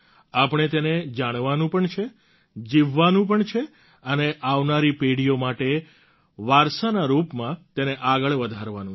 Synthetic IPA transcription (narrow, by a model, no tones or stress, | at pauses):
apɽ̃et̪ened͡ʒaɽ̃ʋanũpəɳt͡ʃʰe | d͡ʒiʋːanũp̬əɳt͡ʃʰe | əneʔaʋnaɾipeɽijomaʈe | ʋaɾsanaɾupmãt̪eneʔaɡəɭʋəd̪ʱaɾʋanũ